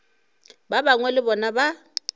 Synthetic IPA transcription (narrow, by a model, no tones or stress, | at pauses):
babaŋwɛlɪbɔnaba